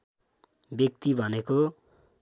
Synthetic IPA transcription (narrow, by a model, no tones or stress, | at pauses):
bjʌk̚t̪ibʱʌneko